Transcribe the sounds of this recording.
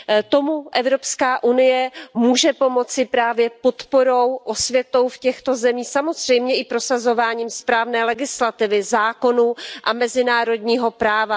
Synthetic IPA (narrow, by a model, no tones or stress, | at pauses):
t̪o̞muʔɛvɾo̞pskaːʔunɪjɛmuːʒɛpo̞mo̞t͡sɪpɾaːvjɛpo̞t̪po̞ɾo̞wʔosvjɛt̪o̞wfcɛxt̪o̞zɛmiːsamo̞zr̝̥ɛjmɲɛʔɪpɾo̞sazo̞vaːɲiːmspɾaːvnɛːlɛɡɪslat̪ɪvɪzaːko̞nuʔamɛzɪnaːɾo̞dɲiːɦo̞pɾaːva